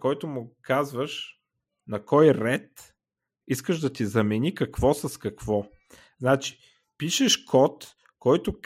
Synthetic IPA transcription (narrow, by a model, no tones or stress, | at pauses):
kɔjt̪ʊmʊkazvəʃ | nɐkɔjɾɛt̪ | iskəʒd̪ɐt̪izɐmɛnikɐkvɔsɐskɐkvɔ | znat͡ʃi̥ | piʃɛʃkʰɔt̪ | kɔjt̪ʊk